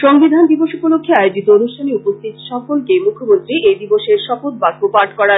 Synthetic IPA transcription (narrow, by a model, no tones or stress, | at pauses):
ʃoŋbid̪ʱand̪iboʃupolokʰːeaeod͡ʑit̪oonuʃʈʰaniupost̪it̪ʃɔfolkemukʰːomont̪ɾiʔejd̪iboʃeɾʃɔfot̪̚baɡ̚opaɾʈʰkɔɽa